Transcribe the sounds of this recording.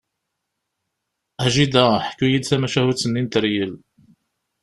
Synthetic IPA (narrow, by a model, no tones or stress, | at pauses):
æʒid̪æħə̥kːujid̪θæmæʃæhut͡sːənːint̪əɾjəl